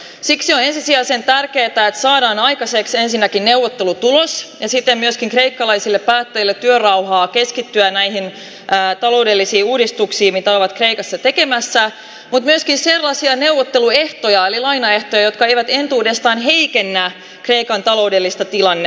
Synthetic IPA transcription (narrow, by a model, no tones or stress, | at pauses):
siksione̞nsisiæːsent̪ærkeːt̪æet̪sɑːdɑːnɑjkɑseksensinːækinneuwʋːot̪ːelut̪ulosjɑsit̪ːemmyøskiŋkre̞ikːɑlɑisilːeppæːt̪ːæjilːet̪ːyørɑwhɑːkeskit̪ːyænæiɦin | ʔːt̪ɑlo̞ude̞lːisiːuːdist̪uksiːmit̪æoʋɑt̪kreikɑsːɑt̪ekemæsːæ | mut̪myøskinserlːɑsiɑne̞wʋot̪ːelue̞ht̪ojɑelilɑinɑe̞ht̪ojɑjo̞t̪̚kɑejʋæt̪e̞nt̪uːde̞st̪ɑːnɦe̞ikenːæ | kre̞ikɑnt̪ɑlo̞udelːist̪ɑt̪ilɑnːe